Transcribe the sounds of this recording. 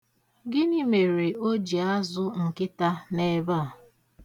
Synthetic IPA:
ɡɪ˦ni˦me˨ɾe˨o˦d͡ʒi˨a˦zʊ˦ŋ̩˨kɪ˦ta˦ne˦ba˦a˨

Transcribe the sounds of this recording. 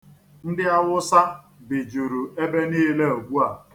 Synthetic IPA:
n̩˦dɪ˦a˦wʊ˦sa˦ | bɪ˨d͡ʒu˨ɾu˨e˦be˦niː˦le˦o˨ɡ͡bʷu˦a˨

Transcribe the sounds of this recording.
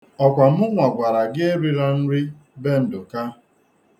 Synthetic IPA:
ɔ˨kʷa˨m̩˦ʊ˦ŋʷa˨ɡʷa˨ɾa˨ɡɪ˦e˦ɾi˦ɾa˦n̩˦ɾɪ˦ | be˦n̩˨dʊ˨ka˦

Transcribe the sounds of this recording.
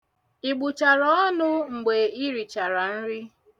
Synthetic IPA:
i˨ɡ͡bu˨t͡ʃa˨ɾɔ˦ɔ˦nʊ˦ŋ͡m̩˨ɡ͡be˨i˦ɾi˨t͡ʃa˨ɾa˨n̩˦ɾɪ˦

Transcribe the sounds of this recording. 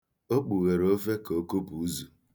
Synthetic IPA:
o˦k͡pu˨ɣe˨ɾo˦fe˦ko˦ko˦pu˨˦zu˨

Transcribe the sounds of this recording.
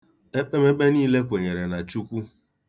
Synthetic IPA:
e˦k͡pe˦me˦k͡pe˦niː˦le˦p̬ʊ˨e˨ɲe˨ɾe˨na˨t͡ʃu˦kʷu˦

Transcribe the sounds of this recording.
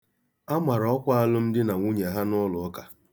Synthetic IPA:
a˦ma˨ɾɔ˦kʷa˦a˦lʊ˦m̩˦dɪ˦na˨ŋʷu˦ɲe˨ɦa˦nɔ˦lʊ˨ɔ˦ka˨

